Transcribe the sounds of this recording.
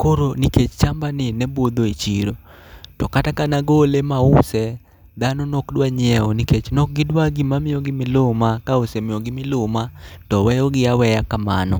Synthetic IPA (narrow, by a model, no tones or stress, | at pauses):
koɾoniket͡ʃt͡ʃambanɪnɛbod̪oit͡ʃiɾo | tɔkatakanaɡolemaʊsɛ | d̪anɔnɔkdwaɲɪɛɔniket͡ʃnɔk̚ɡɪdwaɡɪmamɪjɔɡɪmɪlʊmakaʊsɛmɪjɔɡɪmɪlʊmatɔwɛjɔɡɪawɛjakamanɔ